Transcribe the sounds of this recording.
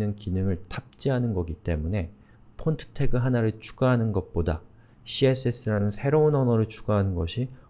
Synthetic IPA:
nɯnkinɯŋɯɭtap̚t͡ɕ͈iɦanɯnɡʌɡit͈e̞̰mune̞ | pʰontʰɯ̥tʰe̞ɡɯɭɦanaɾɯɭt͡ɕʰu̥ɡaɦanɯnɡʌt̚p͈oda̰ | ɕʰies͈ʰes͈ɯɾanɯnsʰe̞ɾounʌnʌɾɯɭt͡ɕʰuɡaɦanɯnɡʌɕʰi

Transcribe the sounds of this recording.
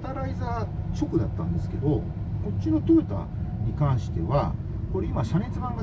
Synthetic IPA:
t̪aɾaizaːt͡ɕo̞kɯ̟d̪at̪ːãnd̪e̞sɨ̥ke̞d̪o̞ | ko̞t͡ɕːɕino̞t̪ɯɾɯ̟t̪a̰ɲ̟ikãɰ̃ɕi̥t̪e̞βa | koɾeimaɕane̞t͡sɨbãŋɡa

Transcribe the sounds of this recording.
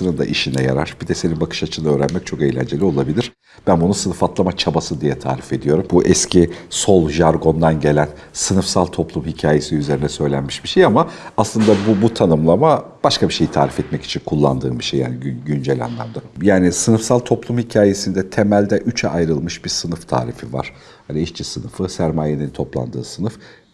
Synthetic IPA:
sɯnɯnd̪a̰ʔiʃinɛja̰ɾa̰ɾ̥bid̪ɛse̞ninbakʰɯ̥ʃat͡ʃʰɯnɯøːɾænmɛc̚t͡ʃʰo̞ke̞jlʲæ̰nd͡ʒe̞lʲio̞lˠabilʲiɾ̥ | b̥ænbunusɯnɯfat̪lˠamat͡ʃʰabasɯd̪ijɛt̪ʰa̰ːɾife̞d̪ijo̞ɾumbuʔɛscʰiso̞lˠʒaɾɡo̞nd̪anɟe̞lʲænsɯnɯfsalˠt̪ʰo̞plˠumhicʰaːje̞siyze̞ɾinɛsø̞jlʲænmiʃbiʃejamaaslˠɯnd̪abubut̪ʰanɯmlˠamab̥aʃkabiʃe̞jit̪ʰa̰ːɾifɛt̪mɛci̥t͡ʃʰinkʰulˠːa̰nd̪ɯ̰ːbiʃejːa̰ːniɟynd͡ʒɛlʲa̰nlˠa̰md̪ajaːnisɯnɯfsalˠt̪ʰo̞plˠumhicʰaːje̞sind̪ɛt̪ʰe̞mælʲd̪ɛʔyt͡ʃʰɛʔajɾɯlˠmɯʃbiɾsɯnɯft̪ʰa̰ːɾḭfiva̰ɾ̥ | haniɛʃt͡ʃʰisɯnɯfɯsæɾmaːje̞nint̪ʰo̞plˠa̰nd̪ɯːsɯnɯf

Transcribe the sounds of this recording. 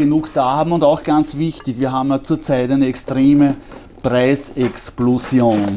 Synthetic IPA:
enuːkd̥aːhaːbm̩ʊndaʊxɡ̥ant͡svɪçtɪçviːɐɦaːbm̩jat͡suːɐt͡sæɪtæɪnəɛkstʁeːmə | pʁaɪsɛksplosjoːn

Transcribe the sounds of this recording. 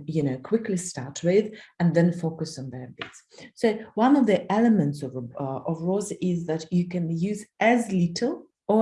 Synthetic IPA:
jɨnoʊkʰw̥ɪkʰlistɑɹtʰwɪðɨ̃nðɨ̃nfokɨsn̩ðə˞bɪts | soʊwãnɔvðiʔɛlˠəmɨ̃ntsɔvʔɔvɹɔzʔɪzðɨtɨkɨ̃njʉːzɨzlɪtʰl̩ˠ | ə

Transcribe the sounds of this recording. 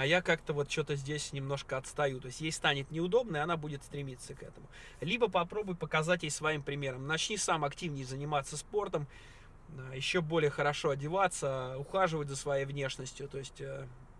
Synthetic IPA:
ɐjakakt̪əvo̞t̪̚t͡ɕo̞t̪əzʲdʲesʲnʲɪmno̞ʂkəɐt̪st̪ɐjut̪o̞ɪsʲtʲjejst̪anʲɪt̪nʲɪʊd̪o̞bnəjɐnabudʲɪt̪st̪ɾʲɪmʲit̪səkɛt̪əmʊ | lʲibəpɐpɾo̞bʊjpəkɐzatʲjejsvɐimpɾʲɪmʲe̞ɾəmnɐt͡ɕnʲisamɐktʲivnʲɪjzənʲɪmat̪sːəspo̞rt̪əm | jɪɕːo̞bo̞lʲɪjəxəɾɐʂo̞ɐdʲɪvat̪səʊxaʐɨvətʲzəsvɐjejvnʲe̞ʂnəsʲtʲjʊt̪o̞ɪsʲtʲə

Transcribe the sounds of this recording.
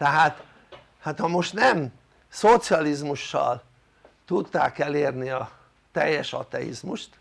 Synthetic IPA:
t̪ɛɦaːt̪ | hat̪hɒmo̞ʃt̪nɛm | sot̪siɒlizmuʃːɒ̰l | t̪ut̪ːa̰ːkɛleːrniɒ | t̪ɛjːɛʃɒ̰t̪ɛ̰jḭzmuʃt̪

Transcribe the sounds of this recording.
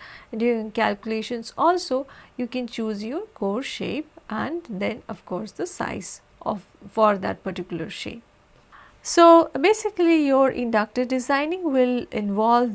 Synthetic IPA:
ɖũŋkælkjʊleːʃə̃nsɔːlsoːjuːkɛ̃nt͡ʃuːzjoɾkoːɾʃḛːpʔæ̃ɳd̪ɛ̃nɔʋkɔːɾsd̪əsa̰ɪz | ʔɔ̰ | fɔɾd̪æ̰ʈ̚pəɾʈɪkjʊləɾʃḛːp̚ | soːbeːsɪklijɔːɾʔɪ̰̃nɖʌk̚ʈəɾɖɪzãɪnɪ̃ŋɡʋɪlɪ̃nʋɔːlʋ

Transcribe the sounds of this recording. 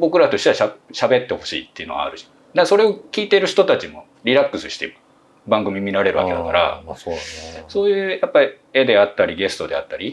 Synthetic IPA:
bo̞kɯ̟ɾat̪o̞ɕi̥t̪aɕaɕabe̞t̪ːe̞ho̞ɕḭːt̪ːe̞iɯ̟noɡa̰a̰ɾɯ̟ɕi̥ | d̪aso̞ɾe̞o̞kʲiːt̪e̞ɾɯ̟çi̥t̪o̞t̪at͡ɕimo̞̰ | ɾʲiɾakːɯ̟sɨɕi̥t̪ḛ | bãŋɡɯ̟mʲimʲiɾaɾe̞ɾɯ̟βa̰ked̪akaɾa̰ | so̞ːjɯ̟ːjapːai | ed̪e̞at̪ːaɾʲiɡe̞sɨ̥t̪o̞d̪e̞a̰t̪ːaɾʲi

